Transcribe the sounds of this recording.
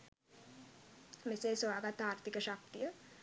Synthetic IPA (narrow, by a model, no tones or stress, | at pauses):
meseːsoʋaːɡat̪aːɾt̪ʰikəʃak̚t̪ijə